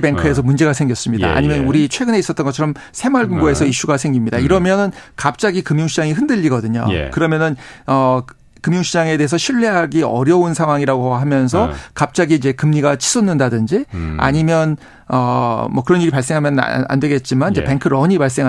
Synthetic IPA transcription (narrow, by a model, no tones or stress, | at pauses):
pe̞ŋkʰɯe̞s̬ʰʌmund͡ʑe̞ɡasʰe̞ŋɡjʌs͈ɯmɲida̰ʔa̰ɲimjʌnuɾit͡ɕʰwe̞ɡɯne̞is͈ʌt͈ʌnɡʌt͡ɕʰɾʌm | sʰe̞maɭɡuŋɡoe̞sʰʌiɕ͈uɡasʰe̞ŋɡimɲidaiɾʌmjʌnɯnkap̚t͡ɕ͈aɡikɯmjuŋɕʰid͡ʑaŋiɦɯndɯʎːiɡʌdɯɲo̰kɯɾʌmjʌnɯnʌ | kɯmjuŋɕʰid͡ʑaŋe̞de̞ɦes̬ʰʌɕʰiɭːe̞ɦaɡiʌ̰ɾjʌunsʰaŋɦwaŋiɾaɡoɦamjʌns̬ʰʌkap̚t͡ɕ͈aɡiːd͡ʑe̞kɯmɲiɡat͡ɕʰi̥s͈ʰʌnːɯndadɯnd͡ʑia̰ɲimjʌn | ʌmʌkɯɾʌniɾipaɭs͈e̞ŋɦamjʌn̰a̰ndwe̞ɡe̞t̚t͡ɕ͈imanid͡ʑepe̞ŋkʰɯɾʌɲipaɭs͈e̞ŋɦ